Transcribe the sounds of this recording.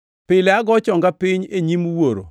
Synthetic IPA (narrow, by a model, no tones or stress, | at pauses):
pɪlɛaɡɔt͡ʃɔŋɡapɪɲeɲimuwoɾo̰